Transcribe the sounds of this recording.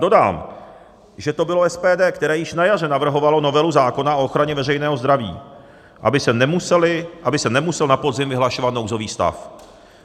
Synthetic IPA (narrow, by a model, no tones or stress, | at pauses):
do̞da̰ːm | ʒɛt̪o̞bɪlo̞ɛspɛːdɛːkt̪ɛɾɛːjɪʃnajarɛnavr̩ɦo̞valo̞no̞vɛluzaːko̞naʔo̞ʔoxɾaɲɛvɛrɛjnɛːɦozd̪ɾavḭː | ʔa̰bɪsɛnɛmusɛlɪʔabɪsɛnɛmusɛlnapo̞dzɪmvɪɦlaʃo̞vat̪no̞wzo̞viːst̪a̰f